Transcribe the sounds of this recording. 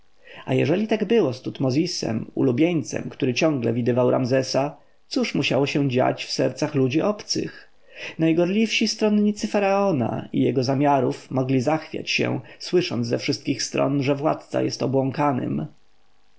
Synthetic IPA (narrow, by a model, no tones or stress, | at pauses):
a̰jɛʐɛlʲit̪aɡbɘwɔst̪ut̪mɔzʲisɛ̰mṵlubʲjeɲt̪sɛ̰mkt̪uɾɘt͡ɕɔ̃ŋɡlɛvʲid̪ɘvawɾʔamzɛsa | t̪suʂmuɕawɔɕɛ̃d͡ʑa̰t͡ɕfsɛɾt̪saxlud͡ʑiʔɔpt̪sɘ̰x | najɡɔɾlʲifʂist̪ɾɔnɲit̪sɘfaɾaɔna̰ḭjɛɡɔzamʲjaɾufmɔɡlʲizaxfʲja̰t͡ɕɕɛ̰w̃swɘʂɔnd̪zɛfʂɘst̪̚kʲixst̪ɾɔ̰nʐɛvwa̰t̪̚t̪sa̰jɛst̪ɔbwɔ̃ŋkanɘ̰m